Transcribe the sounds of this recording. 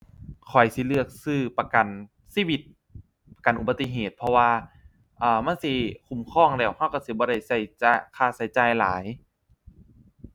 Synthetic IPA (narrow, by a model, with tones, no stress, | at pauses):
kʰɔ˨˩jsi˧˦lɯ˧˩ək̚sɯː˧˩pa˧ka˨˩n | siː˧˥˨wi˧t̪̚ | pa˧ka˨˩nʔu˨˩ba˧t̪ːi˧ɦeː˨˩t̪̚pʰɔ˧waː˧ | ʔaː˧ma˧˥˨nsi˧˦kʰu˨˧˩mkʰɔː˧˥˩ŋdɛː˧˩whʰa˧˥˩wka˧˩si˧˦bɔː˧˦ɾa˧˩jsa˧˩jt͡ɕa˧kʰaː˧˩sa˨˦jt͡ɕaː˧˩jla̰ː˨˦j